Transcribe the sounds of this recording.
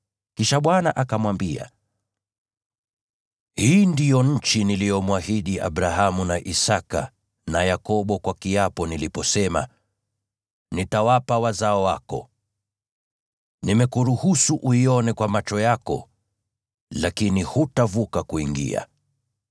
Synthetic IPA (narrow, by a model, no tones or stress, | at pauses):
kiʃaɓwana̰ʔakamwambia̰ | hiːndijɔɲ̩t͡ʃinilijɔmwahiɗia̰ɓɾaɦamunaʔisaka̰ | najakɔɓɔkwakiapɔnilipɔsɛma̰ | nitawapawazaɔwakɔ̰ | nimɛkuɾuhusuʔuiɔnɛkwamat͡ʃɔjakɔ̰ | lakinihutavukakuiŋɡḭa̰